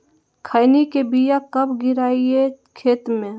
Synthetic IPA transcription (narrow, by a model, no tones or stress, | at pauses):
kʰaːɪnikebijakɐbɡɪɾaːie | kʰeːt̪mẽ